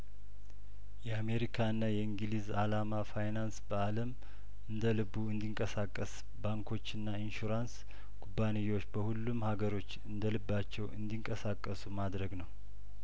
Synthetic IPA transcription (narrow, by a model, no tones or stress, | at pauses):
jɛame̞ɾikʰaɨnːajɛiŋɡlizalamafajnansbəaləm | ɨnd̪əlɨbːuɨnd̪iŋkʼəsakʼːəs | baŋkʰo̞t͡ʃːɨnːainʃuɾans | ɡ̥ubːanijo̞t͡ʃːbəhulːumhaɡəɾo̞t͡ʃːɨnd̪əlɨbːat͡ʃːɛwʔɨ̰nd̪iŋkʼəsakʼːəsumad̪ɾəɡnəw